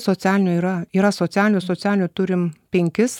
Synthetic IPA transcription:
soːt͡s̪ʲæːlʲɪnʲʊiːɾɐiːɾɐsoːt͡s̪ʲæːlʲɪnʲʊsoːt͡s̪ʲæːlʲɪnʲʊt̪ʊɾʲɪmpʲɛŋʲkʲɪs

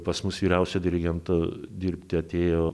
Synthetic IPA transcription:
pɐsmʊsʋʲiːɾʲɛʊsʲod̪ʲɪɾʲɪɡʲɛnt̪od̪ʲiɾʲpʲt̪ʲɪɐt̪ʲeːjoː

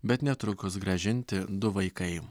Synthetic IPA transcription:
bʲɛt̪nʲɛt̪ɾʊkʊsɡɾɐʒʲɪnʲt̪ʲɪd̪ʊʋɐɪkɐɪ

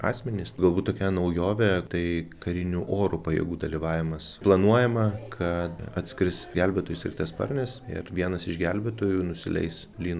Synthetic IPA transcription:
ɑ̰ːsʲmʲɛnʲɪsɡɐlˠbuːt̪t̪oːkʲɛnɐʊjoːʋʲɛt̪ɐɪkɐɾʲɪnʲuːʔoːɾʊpɐjɛ̰ɡuːd̪ɐlʲiʋɑːʋʲɪmɐsplˠɐnuɔjɛmɐkʰɐt̪ɐt̪ʲsʲkɾʲɪsɡʲælʲbʲɛt̪oːjʊsɾʲɪ̰k̚t̪ɛspɐ̰ɾʲnʲɛsɪ̰ɾʋʲiɛnɐsɪʃɡʲælʲbʲɛt̪oːjuːnʊsʲɪlʲɛ̰ɪslʲiːn

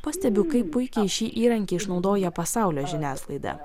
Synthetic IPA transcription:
pɐsʲt̪ʲɛbʲʊkɐɪpːʊɪkʲɛɪʃʲiːʔiːɾɐŋʲkʲɛɪɪʃnɒʊd̪oːjɛpɐsɑˑʊlʲoːʒʲɪnʲæːslˠɐɪd̪ɐ̰

